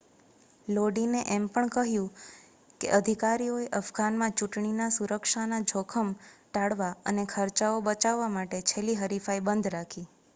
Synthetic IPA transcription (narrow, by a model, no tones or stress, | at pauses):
loɖineʔɛmpəɳkəɦjũ | kḛʔəd̪ʱikaɾioeʔəfɡanmãt͡ʃuʈɳinasuɾəkʃanad͡ʒʱokʰəmʈaɽʋaənekʰəɾt͡ʃaobət͡ʃaʋːamaʈet͡ʃʰeliɦəɾifaibənd̪ʱɾakʰi